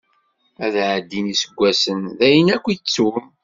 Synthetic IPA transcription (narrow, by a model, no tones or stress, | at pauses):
æðʕəd̪ːinisəɡʷːæsənðæjənækʷːit͡sːum